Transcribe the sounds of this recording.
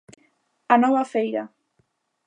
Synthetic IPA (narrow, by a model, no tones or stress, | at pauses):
anɔβafejɾa